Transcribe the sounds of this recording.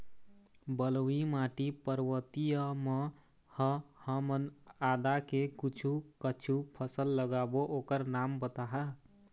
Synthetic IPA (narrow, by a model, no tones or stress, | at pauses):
bəlwimaʈipəɾwət̪ijəme | həhəmənad̪akekit͡ʃʰukət͡ʃʰupʰəsəlːəɡaboʔokəɾnambət̪aɦə